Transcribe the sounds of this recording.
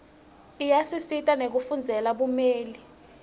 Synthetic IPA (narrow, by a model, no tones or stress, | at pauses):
ijasisitʼanek̬ufund͡zʱɛlaɓumeːli